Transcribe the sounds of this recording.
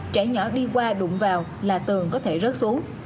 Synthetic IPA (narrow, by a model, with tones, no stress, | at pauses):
t͡ɕɛ˧˩ɲɔ˧˩ɗi˧kwaː˧ɗʊ̰˧˩˨ŋ͡mvaː˨˩w | laː˨˩t̪ɨ˨˩əŋkɔ˨˦t̪ʰe˧˩zə˦˥t̚su˨˦əŋ